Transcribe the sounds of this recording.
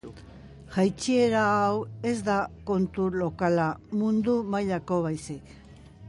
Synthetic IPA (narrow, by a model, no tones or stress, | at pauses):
ʝajt͡ʃieɾaːwe̞zd̪ako̞nt̪ulo̞kalamund̪umajʎako̞β̞ajsik